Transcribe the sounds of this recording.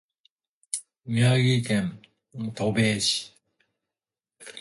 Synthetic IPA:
miaɡikẽn | t̪obeːɕi̥

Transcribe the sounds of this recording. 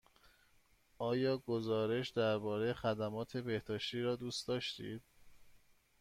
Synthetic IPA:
ɒːjɒːɡo̞zɒːɾe̞ʃd̪æɾbɒːɾejexæd̪æmɒːt̪ʰe̞be̞hd̪ɒːʃt̪iːɾɒːd̪uːst̪d̪ɒːʃt̪ḭːd̪̥

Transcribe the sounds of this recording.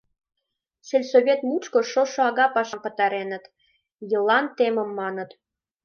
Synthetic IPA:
sĕlʲsoβʲet̪mut͡ɕkoʃoʃŏɑɣɑpɑʃɑmpə̆t̪ɑɾenət̪ | jɤ̆lˠɑnt̪emə̆mːɑnə̆t̪

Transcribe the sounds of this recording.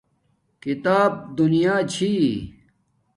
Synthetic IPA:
kit̪aːb̚d̪unijaːt͡ɕʰi

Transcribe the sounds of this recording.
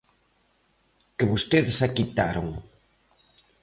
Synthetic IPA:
kɪβost̪eðsakit̪aɾoŋ

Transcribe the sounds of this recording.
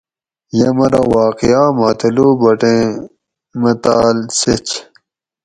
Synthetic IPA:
jɐmɐɾɐwaːqijaːmat̪ʰɐlubɐʈẽ | mɐt̪aːlset͡ɕ

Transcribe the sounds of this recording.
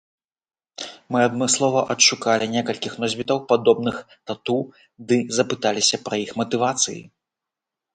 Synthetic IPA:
mɨɐd̪mɨslˠɔvɐʔɐtʂukalʲinʲɛkɐlʲkʲixnɔzʲvʲit̪ɐwpad̪ɔbnɨx | t̪at̪u | d̪ɨzɐpɨt̪alʲisʲɐpɾɐjixmɐt̪ɨvat̪sɨjḭ

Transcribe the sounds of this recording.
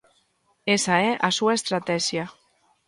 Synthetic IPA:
esaeʔasuaest̪ɾat̪ɛʒja

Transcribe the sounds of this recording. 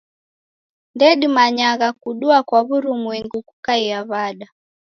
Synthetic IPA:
ndɛɗimaɲaɣakuɗuakwaβuɾumwiŋɡukukaiaβaɗa

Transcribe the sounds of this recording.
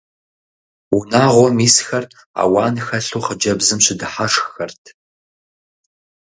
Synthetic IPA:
unaːʁʷɔmiːsxɐr | a̰ːwɑːnxɐɬuːχəd͡ʒɐbzɨmɕɪdɨħaʂxxɐrtʰ

